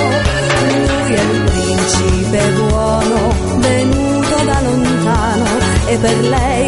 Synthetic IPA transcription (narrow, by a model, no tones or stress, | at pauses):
lujɛupɾiint͡ʃipebwɔːno | venuːt̪od̪alont̪aːno | epːerlɛj